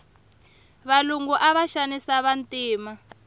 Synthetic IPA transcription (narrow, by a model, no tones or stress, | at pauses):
βaluŋɡuʔaβaʃanisaβantiːma